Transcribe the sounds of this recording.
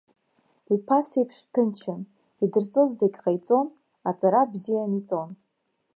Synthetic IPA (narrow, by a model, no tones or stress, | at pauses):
ipʰasejpʰʂtʰɨnt͡ʃʰan | idɨrt͡sʼozːeɡʲqajt͡sʼo̞n | at͡sʼaɾabzijanit͡sʼo̞n